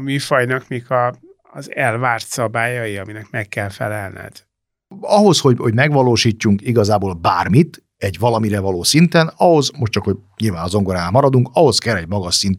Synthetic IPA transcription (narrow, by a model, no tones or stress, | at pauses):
mifɒjnɒkmikʰɒː | zɛlvaːrt̪sɒbaːjɒjiɒminɛkmɛkːɛlfɛ̰lɛlnɛ̰d̪̥ | ɒɦo̞sho̞ɟhoɟmɛɡʋɒloːʃiːcːuŋkiɡɒzaːboːlbaːrmit̪ | ɛɟvɒlɒmiɾɛvɒloːsint̪ɛnɒɦo̞zmo̞ʃtt͡ʃɒkho̞ɟɲilvaːnɒzo̞ŋɡoɾaːnmɒɾɒd̪uŋkɒɦo̞skɛlːɛɟmɒɡɒʃsint̪